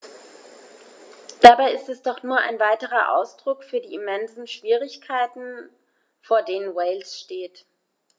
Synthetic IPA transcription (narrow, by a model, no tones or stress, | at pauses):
d̥abaɪɪstɛsd̥ɔχnuːɐʔa̰ɪnvaɪtəʁɐʔa̰ʊsd̥ʁʊkfyːɐdiːimɛnzn̩ʃv̥iːʁ̞ɪçkʰaɪtn̩ | foːɐdeːnənwɛɪlsʃteːt